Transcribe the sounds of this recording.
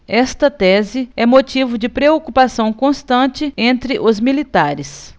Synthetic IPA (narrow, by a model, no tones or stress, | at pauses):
ɛst̪ɐt̪ɛzɪɛmot͡ʃivʊd͡ʒɪpɾeokupasɐ̃w̃kõst̪ɐ̃t͡ʃɪẽnt̪ɾɪʔʊzmilit̪aɾɪs